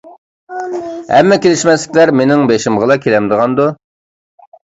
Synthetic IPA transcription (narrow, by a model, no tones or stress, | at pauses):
hɛ̰mːɛkʲelɪʃmɛslɪkʲlæɾmenɪŋbeʃɪmʁəlˠɑkʲʰelɛmd̪əʁɑnd̪u